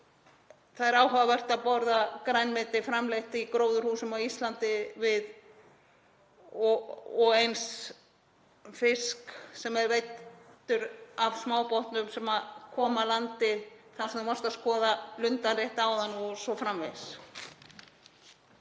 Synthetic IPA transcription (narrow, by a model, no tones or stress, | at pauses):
θaðɛɾaːwɦœvavɛr̥t̪aðpɔɾðakɾajnmɪt̪ɪfɾamlejht̪ikɾoːwðʏɾhuːsʏmawist̪lant̪ɪvɪð | ɔɔɣejns | fɪsksɛmɛɾvejt̪ːʏɾavsmaːwpoht̪nʏmsɛmakʰɔːmalant̪ɪθasɛvɔr̥t̪askɔːðalʏnt̪anrejht̪aːwðanɔsɔfɾamvḛjs